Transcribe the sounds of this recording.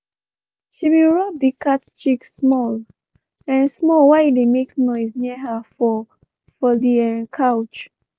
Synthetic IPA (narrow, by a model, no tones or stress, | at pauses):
ʃimeɹɔbikʰatt͡ʃikssmɔl | ɛ̃nsmɔlwaɪidemeknɔɪsniəɦafɔ | fɔliɛ̃nkʰaʊt͡ʃ